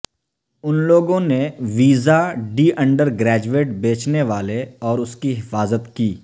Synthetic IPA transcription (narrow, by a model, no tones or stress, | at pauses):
ʊnloːɡõneʋiːzaɖiːʔɐ̃ɳɖəɾɡɾɛːd͡ʒueːʈbeːt͡ʃneʋaːleɔːɾʊskiɦɪfaːzət̪kiː